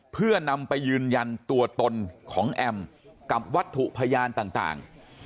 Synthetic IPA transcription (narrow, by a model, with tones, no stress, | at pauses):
pʰɯ˥˩ɐna˧mpa˧jːɯː˧nja˧nt̪u˧ɐt̪o˧nkʰɔː˩˦ŋʔɛ˧mka˨˩p̚wa˦˥t̪ʰːu˨˩ʔpʰa˧jaː˧nt̪aː˨˩ŋt̪a̰ː˨˩ŋ